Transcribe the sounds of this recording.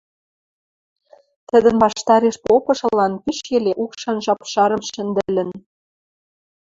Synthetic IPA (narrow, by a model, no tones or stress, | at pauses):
t̪ə̆d̪ə̆nβɑʃt̪ɑɾeʃpopɤ̆ʃɤ̆lɑnpiʃjeleʔukʃɑnʒɑpʃɑɾɤ̆mʃɘ̆nd̪ə̆lɘ̆n